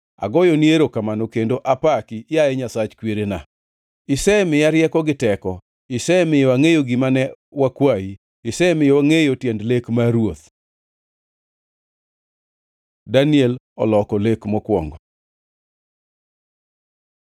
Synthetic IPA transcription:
a̰ɡɔjonieɾokamanɔkendoʔapakijaɛɲasat͡ʃkweɾena | ɪsɛmɪjaɾjɛkɔɡɪtɛkɔ | ɪsɛmɪjwaŋejoɡimanɛ | wakwai | ɪsɛmɪjɔwaŋejotjɛndlekmaɾwot̪̚ | daniɛl | ɔ̰lɔkɔlekmɔkwɔ̰ŋɡɔ

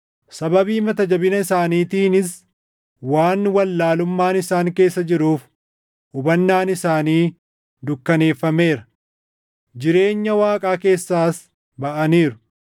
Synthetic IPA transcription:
sɐbɐbiːmɐt̪ɐd͡ʒɐbɪnɐɪsaːniːt̪iːnɪs | waːnwɐlːaːlʊmːaːnɪsaːŋke̞ːsːɐd͡ʒɪɾuːf | ʔʊbɐnːaːnɪsaːniː | d̪ʊkːɐne̞ːfːɐme̞ːɾɐ | d͡ʒɪɾe̞ːɲːɐwaːkʼaːke̞ːsːaːs | bɐʔɐniːɾʊ̥

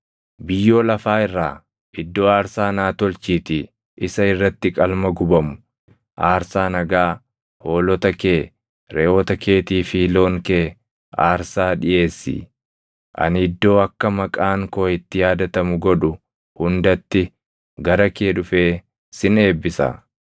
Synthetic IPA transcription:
bɪjːo̞ːlɐfaːɪrːaː | ʔɪd̪ːo̞ːaːɾsaːnaːt̪ɔlt͡ʃiːt̪iː | ʔɪsɐɪrːɐt̪ːɪkʼɐlmɐɡʊbɐmʊ | ʔaːɾsaːnɐɡaː | ho̞ːlɔt̪ɐkeː | ɾeːoːt̪ɐke̞ːt̪iːfiːlo̞ːŋke̞ː | a̰ːɾsaːᶑɪʔe̞ːsːḭː | ʔɐ̰nhɪd̪ːo̞ːɐkːɐmɐkʼaːŋkoːɪt̪ːɪjaːd̪ɐt̪ɐmʊɡɔᶑʊ | hʊnd̪ɐt̪ːɪ | ɡɐɾɐkeːᶑʊfeː | sɪne̞ːbːɪsɐ̰

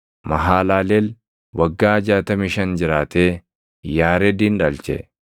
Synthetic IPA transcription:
mɐɦaːlaːlel | wɐɡːaːɐd͡ʒaːt̪ɐmiːʃɐnd͡ʒɪɾaːt̪eː | jaːɾɛd̪iːnᶑɐlt͡ʃɛ̰

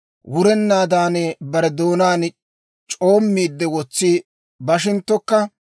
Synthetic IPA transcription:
wʊɾɛnːaːd̪aːnɛbɐɾɛd̪o̞ːnaːn | t͡ʃʼo̞ːmːiːd̪ːɛwɔt͡sːi | bɐʃ̬ɪnt̪ːɔkːɐ

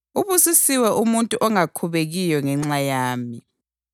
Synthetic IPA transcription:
uβusisiwɛʔumuntʼuʔɔŋakʰuβeɣijɔŋɛŋ͡ǁajaːmi

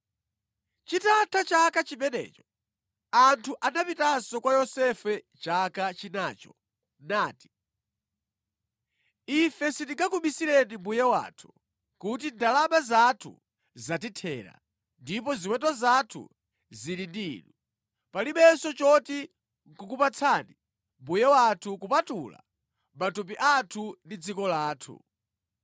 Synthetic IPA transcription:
t͡ʃitatʰat͡ʃakat͡ʃimɛnɛ̰ːt͡ʃɔ | antʰuʔanapitasɔkwajɔsɛfɛ | t͡ʃakat͡ʃinaːt͡ʃɔ̥ | naːti̥ | ifɛsitiŋɡakuɓisiɾɛnimbujɛwa̰ːtʰu̥ | kutindalaɓazatʰṵ | zat̬itʰɛ̰ːɾa̰ | ndipɔziwɛtɔzatʰṵ | ziɾindiːnu | paliɓɛsɔt͡ʃɔti | ŋkukupat͡sʰani | mbujɛwatʰukupatula̰ | matup̬iʔatʰundid͡zikɔlaːtʰṵ

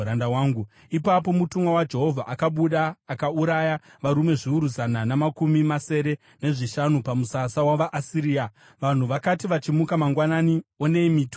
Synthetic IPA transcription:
ɾandawaːŋɡu | ipapo̞mutumwawad͡ʒe̞ɦo̞vʱaʔakaɓuɗaːkauɾaja | ʋaɾume̞ʐiuɾuzananamakumimase̞ɾe̞ | ne̞ʐiʃanupamusasawaʋaʔasiɾiːa | ʋan̤uʋakatiʋat͡ʃimukamaŋɡwananio̞ne̞imiːt

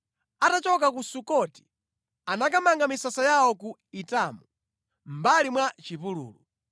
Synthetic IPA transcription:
atat͡ʃɔk̬akusukɔti̥ | anakamaŋɡamisasajawɔkuitaːmu | m̩balimwat͡ʃipulṵːlṵ

